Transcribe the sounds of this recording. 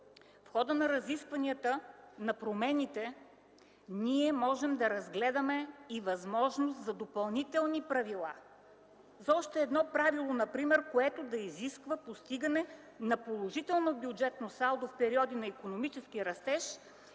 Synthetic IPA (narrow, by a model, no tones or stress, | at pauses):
fxɔd̪ənɐɾɐziskvɐnʲiət̪ənɐpɾomɛnit̪ɛ | niɛmɔʒɛmd̪ɐɾɐzɡlɛd̪əmɛivɐzmɔʒnost̪zɐd̪opɐlˠnit̪ɛlˠnipɾɐvilˠa | zɔʃt̪ɛːd̪nɔpɾavilˠonɐpɾimɛɾkoɛt̪od̪ɐiziskvəpost̪iɡənɛ | nɐpolˠoʒit̪ɛlˠnobjud͡ʒɛt̪nosalˠd̪ofpɛɾiɔd̪inɐikonomit͡ʃɛskiɾɐst̪ɛʃ